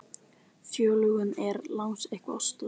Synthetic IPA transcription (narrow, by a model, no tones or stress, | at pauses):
fjœːlʏɣʏnɛɾlawŋsejhkva̰st̪ʏ